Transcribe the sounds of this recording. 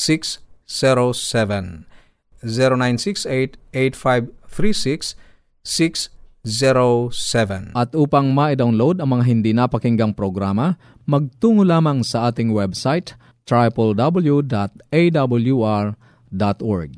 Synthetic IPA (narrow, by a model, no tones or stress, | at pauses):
siksːɛɾosɛvɛ̃n | zɛɾonajnsikset̪ejt̪̚fajvθɾisiks | sikszɛɾosɛvɛnʔɐt̪ʔuːpɐŋmaʔɪd̪awnlowd̪ɐŋmɐŋaɦɪnd̪inapɐkɪŋɡɐŋpɾoɡɾaːmɐ | mɐɡ̚t̪uːŋolaːmɐŋsɐʔaːt̪ɪŋwɛbsajt̪ | t̪ɹajpɛld̪ɐbɐljud̪at̪̚ejd̪abɐljuaɹ | d̪at̪ʔɔɹɡ̚